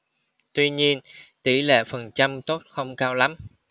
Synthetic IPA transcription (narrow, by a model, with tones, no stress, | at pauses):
t̪wi˧ɲi˧ənt̪i˧˩lḛ˧˨fə˨˩nt͡ɕa˧mt̪o˦˥t̚xə˧wŋ͡mkaː˧wla˨˦m